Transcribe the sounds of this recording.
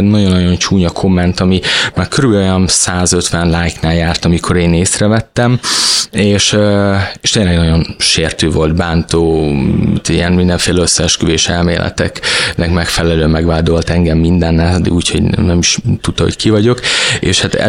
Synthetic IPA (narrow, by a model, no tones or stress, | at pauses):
nɒɟo̞nːɒjo̞nt͡ʃuːɲɒkʰo̞mːɛnt̪ɒmimaːrkʰøɾyblo̞jɒnsaːzø̞t̪ʋɛnlaːjknaːljaːrt̪ɒmikʰo̞ɾeːneːsrɛvɛt̪ːɛmeːʃøeːʃt̪eːnlɛɡnɒɟo̞nʃeːrt̪øːvo̞lt̪baːnt̪o̰ːt̪ijɛnmind̪ɛɱfeːlɛøsːɛʃkyveːʃɛlmḛːlʔɛ̰t̪ɛ̰knɛkmɛkfɛlɛløːmɛɡʋaːd̪o̞lt̪ɛŋɡɛmːind̪ɛnːɛɒd̪ḭɡuːcho̞̰ɟnɛmiʃt̪ut̪ːɒho̰ckivɒɟo̞kḛːʃhat̪ɛ̰